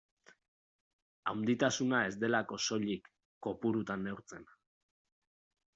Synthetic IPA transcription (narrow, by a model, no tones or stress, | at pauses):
awnd̪it̪asunae̞zd̪e̞lako̞so̞ʎikː | o̞puɾut̪anːe̞uɾt͡se̞n